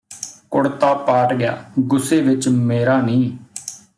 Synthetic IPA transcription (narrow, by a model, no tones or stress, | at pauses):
kʊɽt̪aːpaːʈɡɪja̰ːɡʊseːʋɪt͡ʃmeːɾaːnĩː